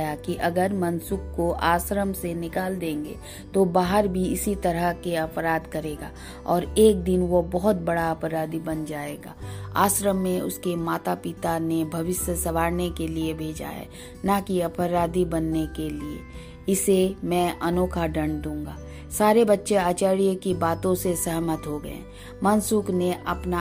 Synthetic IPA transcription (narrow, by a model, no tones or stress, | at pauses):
jakiʔɐɡəɾmɐnsʊkkoʔaːsɾəmsenɪkaːld̪ẽːŋɡḛː | t̪obaːɦəɾbʱiɪsit̪ɐɾəɦkeɐpɾaːd̪kɐɾeːɡa̰ː | ɔːɾeːk̚d̪ɪnʋobɔɦʊt̪̚bɐɽaɐpɾaːd̪ibɐnd͡ʒaːeːɡa̰ːa̰ːsɾəmːẽʊ̰skemaːt̪apɪt̪anebʱɐʋɪsjəsɐʋaːɾnekeliebʱeːd͡ʒa̰ɦɛ̰ː | nakiɐpɾaːd̪ibɐnːekeliḛ | ɪsemɛ̃ʔɐnoːkʰaɖɐ̃ɳd̪ũːŋɡaː | saːɾebɐtːʃeaːt͡ʃaːɾijkibaːt̪õsesɛɦmət̪ɦoɡɐ̰ḛ̃ | mɐnsʊkneʔɐpna